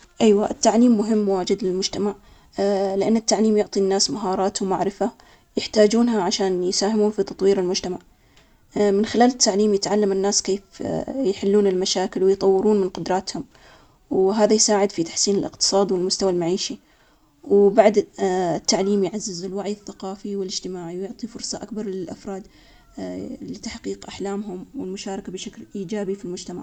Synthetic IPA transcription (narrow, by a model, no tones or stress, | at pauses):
ʔajwaʔɪt̪ːaʕliːmːʊɦɪmːwaːd͡ʒɪd̪lɪlmʊd͡ʒt̪amaʕ | lɪʔanːɪt̪ːaʕliːmjʊʕt̪ˤinːaːsmaɦɑːɾˤɑːt̪wmaʕɾɪfa | jɪħt̪aːd͡ʒuːnɦaʕaʃaːnjsaːhɪmuːnfit̪ɑt̪ˤwiːɾɪlmʊd͡ʒt̪amaʕ | mɪnxɪlaːlɪt̪ːaʕliːmjɪt̪ʕalːamɪnːaːskeːfjħɪlːuːnɪlmaʃaːkɪlwɪjt̪ˤɑwːɪɾuːnmɪnqʊd̪ɾˤɑːt̪hʊm | wɦaːðajsaːʕɪd̪fit̪ḁħsiːnɪlʔɪ̰qt̪ɨ̥sˤɑːd̪iwɪlmʊst̪awalmaʕiːʃi | wbaʕd̪ɪt̪ːaʕliːmjʕazːɪzɪlwaʕjɪθːaqɑːfiwɪlɪd͡ʒt̪ɪmaːʕiwjʊʕt̪ˤifʊɾsˤɑʔakbɑɾˤlɪlʔa̰fɾˤɑːd̪ | lɪt̪aħqiːqʔaħlaːmɦʊmwɪlmʊʃaːɾˤɑkabɪʃaklʔiːd͡ʒaːbifilmʊd͡ʒt̪ama̰ʕ